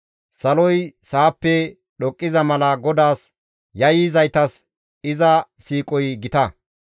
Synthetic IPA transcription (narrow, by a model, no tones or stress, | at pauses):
sɐlɔjsaːpːɛ | ɗɔkʼːɪzɐmɐlɐɡɔd̪aːs | jɐjɪzɐjt̪ɐs | ɪzɐsiːkʼɔjɡɪt̪ɐ